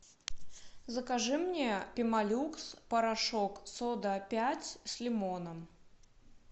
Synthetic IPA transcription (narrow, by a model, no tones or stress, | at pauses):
zɐkaʐɨmnʲɛpʲimalʲukspɐɾaʂɔksɔd̪ɐpʲat͡sʲsʲlʲimɔnɐm